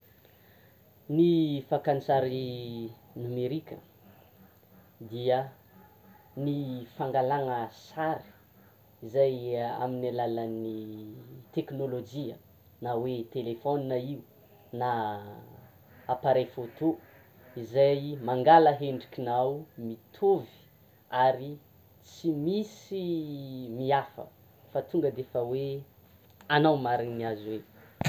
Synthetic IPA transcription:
nifakant͡saɾi | numeɾikʲə̰ | d̪iə | nifaŋɡalaŋəsaɾi̥ | izaja̰minalaləni | t̪eknolod͡ʒiə | nawet̪elefoninaiu | na | paɾajfot̪o | izajmaŋɡaləɦeɳɖ͡ʐikinawmit̪ʰovi̥ | aɾi | t͡simisi | miafə̰ | fat̪uŋɡəd̪efəwe | anawmaɾinniazwe

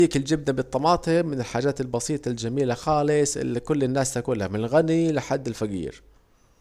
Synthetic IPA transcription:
iːkɪld͡ʒɪbnabɨt̪ˤːɑmɑːt̪ˤimɪnɪlħaːd͡ʒaːt̪ɪlbɑsiːt̪ˤɑld͡ʒamiːlaxɑːlɪsˤɪ̰lːikʊlːɪnːaːst̪akuːnlahmlɣanilɪħad̪ːɪlfaɡḭːɾ

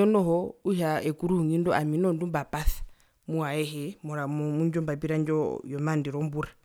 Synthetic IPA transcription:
ɔnɔɦɔuʃaɛkuɾuhuŋindɔaminɔndumbapaθḁ | muaɛɦɛmɔɾammuɲd͡ʒɔmbapiɾand͡ʒɔjɔmandiɾɔmbuɾa

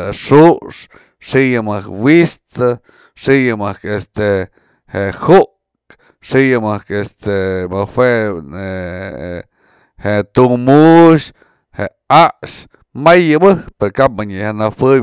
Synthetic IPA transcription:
ʂuʔʂ | ʂijɨmɨkwist̪ɨ | ʂijɨmɨkest̪e | hehuʔ | kk | ʂijɨmɨkest̪emawʷeʔe | heʔt̪umuʃ | heʔaʔʃ | majːɨbɨhkpeɾokap̚maɲihanafɨ

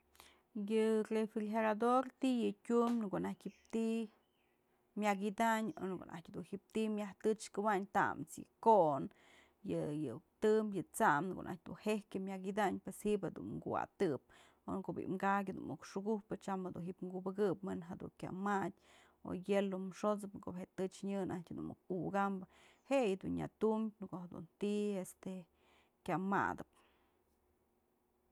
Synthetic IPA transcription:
jɨrefilɦeɾad̪oɾt̪ijɨtʲumnkonahtʲhip̚t̪i | mjaɡid̪aɲo̰nko̰nʔa̰tʲhad̪unhip̚t̪imʲjaht̪ɨt͡ʃkɨwaɲt̪a̰ʔmt͡sjɨ̰koʔn | jɨjɨt̪ɨmjɨt͡saʔmnko̰ʔnʔa̰t̚ʲd̪ṵnhehkʲemʲaɡid̪aɲpweshiʔphed̪ṵnŋɡṵwa̰t̪ɨp̚ | onkoʔbḭʔmɡak̬ʲɨd̪ṵnukʂuɡuhpɨt͡ʃamhad̪unɦiʔpŋɡubɨɡɨpmɨnɦad̪ṵŋkʲa̰matʲ | o̰jelomʂot͡sɨpkobheʔt̪ɨt͡ʃɲɨnʔahtʲd̪ṵnmṵkuɡambɨ | hejɨd̪unja̰t̪umnkohed̪ṵnt̪iest̪e | kʲama̰d̪ɨp

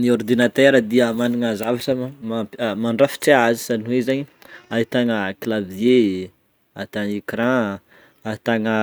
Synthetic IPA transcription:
niord̪inat̪ɛɾəd̪iəmaniŋəzavaʈ͡ʂəmamaɳɖ͡ʐafi̥ʈ͡ʂeazi̥saniwezaɲiaɦit̪aŋəklave | ait̪anekɾã | ait̪anə

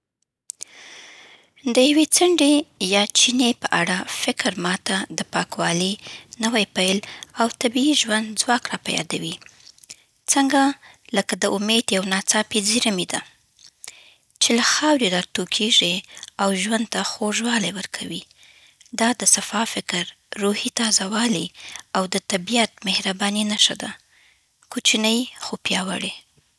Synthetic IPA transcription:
d̪əjawet͡səɳɖejɑt͡ʃinepəʔaɽafɪkɾmɑt̪ad̪əpɑkwɑlinəwajpajlawt̪abiiʒwand̪zwɑkɾɑpajɑ̰d̪awi | t͡səŋɡa | ləkad̪əʔʊmed̪jawnɑt͡sɑpeziɾəmid̪a | t͡ʃelaxɑwɾiɾɑt̪okʰeʐiawʒwand̪̚t̪axoʒwɑlajwəɾkʰawi | d̪ɑd̪əsafɑfɪkɾː | uhit̪ɑzawɑliawd̪ət̪abijat̪̚mehɾabɑninaʃad̪a̰ | kot͡ʃinəjxopjɑwa̰ɽe

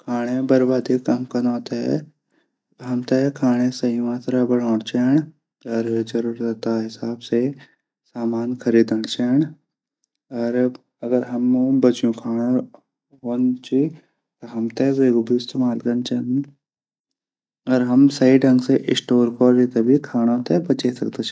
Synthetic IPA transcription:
kʰaːɽ̃ebɐɾbaːd̪ikɐmkɐnɔːt̪eɛ̰ | ɦɐmt̪ekʰaːɽ̃esɐiuãt̪ʰɐɾabɐɽɔ̃ːɽt͡ʃɛːɽ̃ | ɔːɾd͡ʒɐɾuːɾd̪ɐt̪aɦɪsaːbse | saːmaːnkʰɐɾiːd̪əɳt͡ʃɛːɳ | ɔːɾ | ɐɡəɾɦɐmbɐt͡ʃjũkʰaːɽ̃o | ɦoːnt͡ʃi | t̪oɦɐmt̪ebeːɡubʱist̪emaːlɡɐ̃nt͡ʃɐn | ɔːɾɦɐmsɐɦiɖʱɐ̃ŋɡseʔɪsʈoːɾkoɾd͡ʒit̪ebʱikʰaːɽ̃õt̪ebɐt͡ʃesɐkt̪et͡ʃʰi

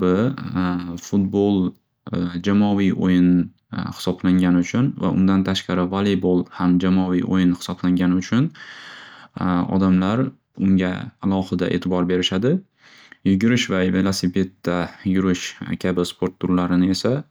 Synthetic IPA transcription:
bɪ | fʊt̪̚bolˠ | d͡ʒamɒvijʔo̰jɪn | hɪ̥sɒblaŋɡʲanɪʊt͡ʃʰʊnva̰ʔʊ̰nd̪ant̪ʰaʃqɑɾɪvalebolˠhamd͡ʒamɒvḭjʔo̰jɪnhɪ̥sɒblaŋɡʲanɪʊt͡ʃʰʊn | ɒ̰d̪amlaɾ | ʊŋɡʲa̰ːlˠɒhɨd̪a̰ʔe̞̰t̪ʰɪbɒɾbe̞ɾɪʃad̪ɪ | jɪɡʲɪɾɪʃvave̞lˠasipʰe̞t̪ʰːajʊɾɪʃkʲʰabɪspʰo̞ɾt̪ʰːʊɾlaɾɪnɪe̞sa

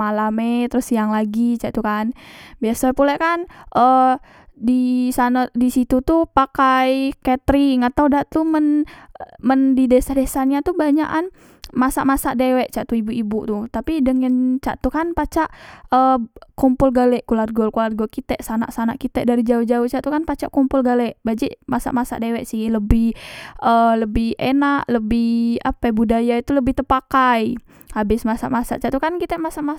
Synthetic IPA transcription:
alamet̪ɾʊsijaŋlaɡit͡ʃaʔt̪ukanbiasapulɛkanʔə | disanadisit̪ut̪upakajkɛt̪ɾiŋat̪awdaʔt̪umən | məndidesahdesanɲat̪ubaɲa̰ʔan | masa̰ʔmasaʔdewɛʔt͡ʃaʔt̪uibuibut̪ut̪apidəŋənt͡ʃa̰ʔt̪ukanpat͡ʃaʔəkumpʊlɡalɛʔkularɡɔlkularɡɔlkit̪ɛʔsanaʔsanaʔkit̪ɛʔdaɾid͡ʒauhd͡ʒauht͡ʃaʔt̪ukanpat͡ʃaʔkumpʊlɡalɛʔbad͡ʒɪʔmasa̰ʔmasa̰ʔdewɛʔsɪhləbɪhʔələbɪhenaʔləbɪha̰pabudajait̪uləbɪht̪əpakaj | abɪsmasa̰ʔmasa̰ʔt͡ʃaʔt̪ukankit̪ɛʔmasaʔma

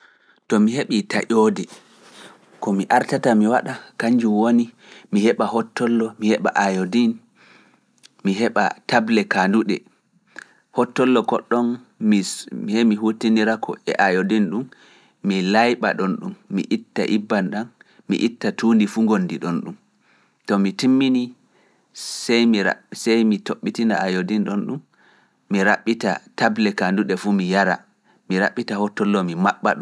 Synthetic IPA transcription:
tɔmiheɓita̰ʔoːdɛ | kɔmiʔaɾtatamiwaɗakaɲd͡ʒumwoni | mihɛɓahɔtːɔlːɔmihɛɓa̰ʔajodin | miɦɛɓa̰tablɛkanduɗɛ̰ | hɔtːɔlːɔkɔɗːɔnimhemiɦutiniɾakʰɔ̰ɛ̰ʔajodinɗumː | ilajɓaɗɔnɗumːḭʔitːa̰ʔibːanɗan | mḭʔitːatuːndifuːŋɡonːdiɗɔnɗum | tɔmitimːini | sɛjmia̰sɛjmitoɓːitina̰ajodinɗɔnɗumː | iɾaɓːita̰tablɛkanduɗɛfumijaɾa̰ | miɾa̰ɓːitahɔtːɔlːɔmimaɓːa̰ɗɔ

